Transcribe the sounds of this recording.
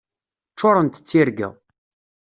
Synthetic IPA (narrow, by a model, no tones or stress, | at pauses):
t͡ʃːoɾˤənt̪ə̥t͡sːiɾɡæ̰